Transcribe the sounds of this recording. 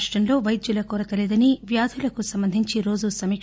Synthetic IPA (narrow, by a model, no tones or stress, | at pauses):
ʂʈɐnlo̞ːʋɐjid̪julɐkuːɾɐkɐleːd̪ɐniʋjaːd̪ʱulɐkusɐmbɐnd̪ʱiɲt͡ʃiɾo̞ːd͡ʒusɐmiː